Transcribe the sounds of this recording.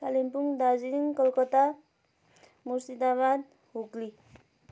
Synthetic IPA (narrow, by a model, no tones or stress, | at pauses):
kalimpuŋd̪aziiŋkʌlkʌt̪a | muɾsid̪aβad̪̚ | ɦokli